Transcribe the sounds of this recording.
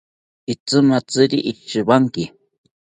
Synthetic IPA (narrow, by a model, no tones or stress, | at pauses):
it͡sɨmat͡sɨɾiʔiʃɨbaŋki